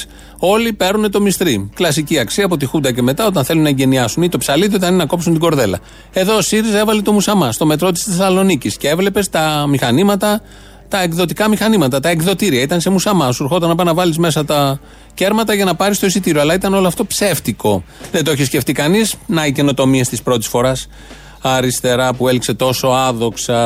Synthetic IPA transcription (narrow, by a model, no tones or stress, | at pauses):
o̞lipe̞ɾune̞t̪o̞mist̪ɾiklɐsiciɐksiɐpo̞t̪ixund̪ɐce̞me̞t̪ɐo̞t̪ɐnθe̞lunːɐeɲɟe̞niɐsunit̪o̞psɐliðiot̪ɐninɐko̞psunt̪iɡo̞ɾðe̞lɐ̰ | e̞ðo̞ːsiɾise̞vɐlet̪o̞musɐmɐst̪o̞me̞t̪ɾo̞t̪i̥st̪esɐlo̞nicisceevle̞pe̞st̪ɐmixɐnimɐt̪ɐ | t̪ɐe̞kðo̞t̪ikɐmixɐnimɐt̪ɐt̪ɐe̞kðo̞t̪iɾiɐit̪ɐnse̞musɐmɐsuɾxo̞t̪ɐnɐpɐnɐvɐlizme̞sɐt̪ɐ | ce̞ɾmɐt̪ɐʝɐnɐpɐɾist̪oisit̪iɾioɐlɐit̪ɐno̞loɐft̪o̞pse̞ft̪iko̞ðent̪oeçisce̞ft̪ikɐnisnɐice̞no̞t̪o̞miest̪ispɾo̞t̪i̥sfo̞ɾɐs | ɐɾist̪e̞ɾɐpue̞likse̞t̪o̞so̞ɐðo̞ksɐ